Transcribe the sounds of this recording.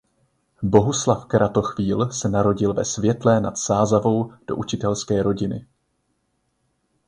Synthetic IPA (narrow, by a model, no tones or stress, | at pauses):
bo̞ɦuslafkɾat̪o̞xviːlsɛnaɾo̞ɟɪlvɛsvjɛt̪lɛnat̪saːzavo̞wd̥o̞̰ʔut͡ʃɪt̪ɛlskɛːɾo̞ɟɪnɪ̰